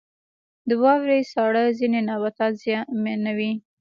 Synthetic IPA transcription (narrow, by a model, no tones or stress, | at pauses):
d̪əwɑwɾejsɑɽəzinenɑbat̪ɑzjɑmenawi